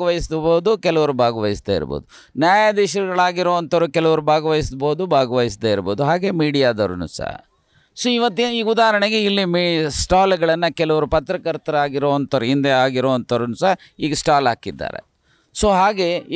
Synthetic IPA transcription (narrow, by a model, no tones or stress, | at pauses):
ɐʋɐjisd̪boːd̪ukɛlɐʋɐɾubʱaːɡɐʋɐjisd̪ḛːḭɾbo̰ːd̪u | njaːjad̪iʃɐɾɡɐɭaːɡiɾoːʋɐnt̪ɐʋɾukɛlɐʋɐɾubʱaːɡɐʋɐjisboːd̪ubʱaːɡɐʋɐjis̬d̪eːiɾboːd̪uɦaːɡe̞ːmiːɽijaːd̪ɐ̰ɾunṵsɐ̰ɦɐ̰ | soːiʋɐt̪ːeiːud̪aːɦɐɾɐɳeɡeilːimisʈaːlɡɐɭɐnːɐkɛlɐʋɐɾupɐt̪ɾɐkɐɾt̪ɐɾaːɡiɾoːʋɐnt̪ɐʋɾuɦind̪eaːɡiɾoːʋɐnt̪ɐɾunusɐɦɐ | iːɡɐsʈaːlɦaːkid̪ːa̰ːɾḛ | soːɦaːɡe̞